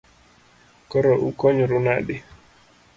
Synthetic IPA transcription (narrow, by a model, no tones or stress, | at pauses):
kɔɾɔʔukɔɲɔɾʊnaɗɪ